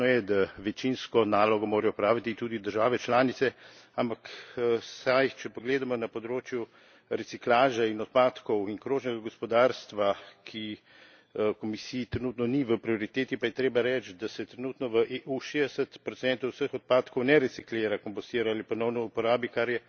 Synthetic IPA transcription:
ɔjɛd̪aʋɛt͡ʃinskɔnaːlɔɡɔmoːɾɛjɔpɾaːʋit̪it̪uːd̪id̪əɾʒaːʋɛt͡ʃlaːnit̪sɛampaksajt͡ʃɛpɔɡleːd̪amɔnapɔd̪ɾoːt͡ʃju | ɾɛt̪siklaːʒainɔt̪̚paːt̪kɔwinkɾoːʒnɛɡaɡɔspɔd̪aːɾst̪ʋakʰi | kɔmisiːt̪ɾɛnuːt̪nɔniʋəpɾioɾit̪eːt̪ipajɛt̪ɾeːbaɾɛt͡ʃd̪asɛt̪ɾɛnuːt̪nɔʋəʔeːʔuʃeːd̪ɛsət̪pɾɔt̪sɛnt̪ɐwsəxɔt̪̚paːt̪kɔwnɛɾɛt̪sikleːɾakɔmpɔst̪iːɾaaːlipɔnɔwnɔupɔɾaːbikaɾjɛ

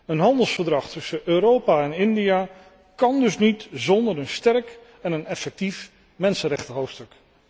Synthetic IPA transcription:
ənɦɑndəlˠsfəɹdrɑχtɵsəʔøːɾowpaɛnɪndija | kɑndɵsnitzɔndəɹənstɛɹk | ɛnənɛfɛk̚tif | mɛnsənrɛχtəɦowftstɵk

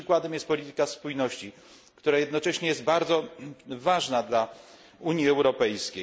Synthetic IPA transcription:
ɨkwad̪ɛmjɛst̪̚pɔlʲit̪ɘ̥kaspujnɔɕt͡ɕi | kt̪uɾajɛd̪nɔt͡ʂɛɕɲɛjɛsd̪baɾd̪zɔvaʐnad̪la | uɲjiɛwɾɔpɛjskʲej

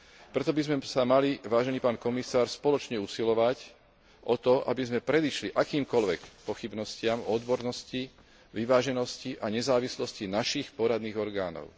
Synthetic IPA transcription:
pɾɛt̪ɔbizmɛsamaliʋaːʒɛniːpaːnkɔmisaːɾspɔlɔt͡ʃɲɛusilɔʋac | ʔɔt̪ɔʔa̰bizmɛpɾɛd̪iʃliʔakiːmkɔlʋɛkpɔxibnɔscɪamɔd̪bɔɾnɔsci | ʋiʋaːʒɛnɔsciʔaɲɛzaːʋislɔscinaʃixpɔɾad̪niːɣɔɾɡaːnɔ̰ʊ

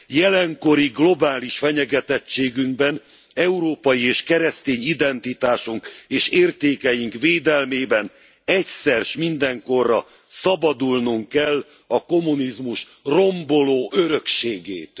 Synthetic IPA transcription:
jɛlɛŋko̞ɾiɡlo̞baːliʃfɛɲɛɡɛt̪ɛt͡ʃːeːɡyŋɡ̚bɛn | ɛuɾoːpɒjieːʃkɛɾɛst̪eːɲid̪ɛnt̪it̪aːʃuŋkeːʃeːrt̪eːkɛjiŋkveːd̪ɛlmeːbɛn | ɛcsɛrʃmind̪ɛŋko̞rːɒ | sɒbɒd̪ulnuŋkːɛlː | ɒko̞munizmuʃ | ro̞mbo̞loːʔøɾø̞kʃeːɡeːt̪

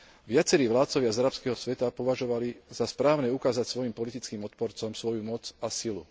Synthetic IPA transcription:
ʋɪat͡sɛɾiːʋlaːt̪t͡sɔʋɪazaɾapskɛːɦɔsʋɛt̪apɔʋaʒɔʋalizaspɾaːʊnɛːukaːzacsʋɔjimpɔlit̪it͡skiːmɔt̪̚pɔɾt͡sɔmsʋɔjumɔt͡sasilu

